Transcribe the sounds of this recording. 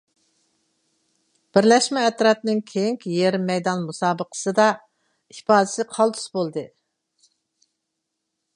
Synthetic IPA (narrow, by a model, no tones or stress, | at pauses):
b̥ɪɾlɛʃmɛːt̪ɾɑp̚nɨŋkʲʰejiŋkʲjeɾmɛjd̪ɑnmusɑːbəqʰə̥sɨd̪ɑ | ipɑːd̪ɪsɪqʰɑlˠd̪u̥sbolˠd̪ɨ